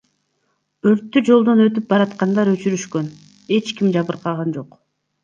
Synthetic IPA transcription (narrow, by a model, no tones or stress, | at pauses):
øɾt̪ːyd͡ʒo̞lˠd̪o̞nø̞t̪yp̚bɑɾɑt̪qɑnd̪ɑɾø̞t͡ʃyɾyʃkø̞n | e̞t͡ʃkimd͡ʒɑβɯɾqɑʁɑnd͡ʒo̞q